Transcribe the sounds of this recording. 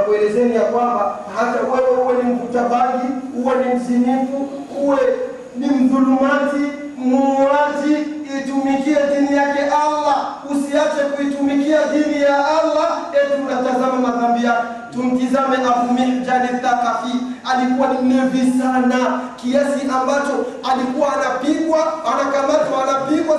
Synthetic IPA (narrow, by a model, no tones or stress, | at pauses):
kuɛlɛzɛnijakwambahatawɛwɛhuwɛnim̩kutabaɡihuwɛnim̩zinifu | huwɛ | nim̩ðulumazi | muɲazi | itumikiaðinijakɛʔalausiat͡ʃɛkuitumikiaɗinijaalːaɛtunatazamamatambijakɛ | tun̩tizamɛʔafumid͡ʒanɛktakafialikuwanim̩nɛvisanakiasiʔambat͡ʃɔalikuwaːnapiɡwaanakamatɔanapiɡwa